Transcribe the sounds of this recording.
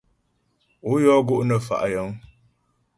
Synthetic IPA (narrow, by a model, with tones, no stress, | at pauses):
ʊ˦jɔː˦ɡʊ˦ʔnə˦fa̰˨ʔa˨jə˦ŋ